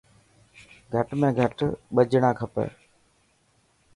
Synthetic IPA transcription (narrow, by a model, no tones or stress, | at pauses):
ɡʱəʈmẽːɡʱəʈɓəd͡ʒɽ̃ãːkʰəpə̰